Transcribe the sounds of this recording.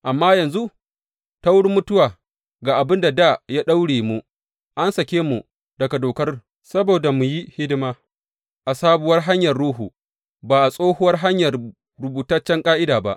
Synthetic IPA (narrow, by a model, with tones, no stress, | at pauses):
ʔa˨mːaː˦jɐ˨nzu˦ | ta˦wʊ˦ɽmʊ˦tʊ˦waː˨ | ɡaː˨ʔa˨bɪ˦nda˨da˦˨jaː˦ɗa˦wɽeː˨mu˦ | ʔa˦nsɐ˨kʲeː˦mu˨ | dɐ˨ka˨doː˨kɐ˦r | sɐ˦boː˨da˨mu˨ji˦hɪ˦dɪ˦maː˦ | ʔa˨saː˦bʊ˨wɐ˦rɦa˦ɲjɐ˨rɽuː˦ɦuː˨ | baː˨ʔa˨sʼoː˦hʊ˦wɐ˦rɦa˦ɲjɐ˨r | ɽʊ˨buː˨ta˦t͡ʃːɛ˦ŋkʼaː˦ʔɪ˦daː˨ba̰˦ʔ